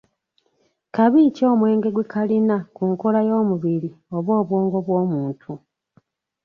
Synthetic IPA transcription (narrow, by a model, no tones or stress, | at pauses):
kaβiːco̞ːmwe̞ːŋɡe̞ɡwekʰalinakuŋkolajo̞ːmuβiɾio̞βo̞ːβwoːŋɡo̞βwo̞ːmuːntʰu